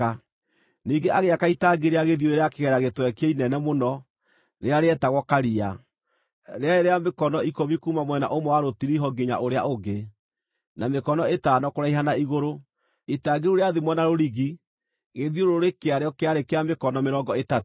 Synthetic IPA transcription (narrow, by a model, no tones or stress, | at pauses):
a | niːŋɡeʔaɣeakaitaɡeɾeaɣeðijoeɾeakeɣɛɾaɣetwɛkeinɛnɛmonɔ | ɾeaɾeɛtaɣwɔkaɾia | ɾeaeɾeamekɔnɔikoβikuːmamwɛna̰ʔomɔwaɾotiɾiɦɔɡeɲa̰ʔoɾea̰oɡe | namekɔnɔetaːnɔkoɾaiɦanaiɣoɾo | itaːɡeɾoɾeaðimwɛnaɾoɾiɣi | ɣeðioɾoɾekeaɾeɔkeaɾekeamekɔnɔmeɾɔːŋɡɔetat